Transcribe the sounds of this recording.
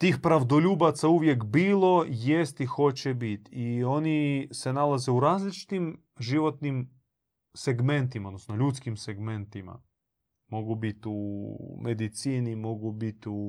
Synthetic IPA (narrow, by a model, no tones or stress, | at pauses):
t̪iːxpɾaʋd̪o̞ʎuːbat̪sauʋje̞kbiːlˠo̞je̞st̪ixo̞t͡ɕebit̪io̞nise̞nalaze̞uɾaːzlit͡ʃi̥t̪im | ʒiʋo̞t̪nim | se̞ɡme̞nt̪imaod̪nosnoʎut̪skimseɡme̞nt̪ima̰ | mo̞ɡubit̪ume̞d̪it̪siːnimo̞ɡubit̪u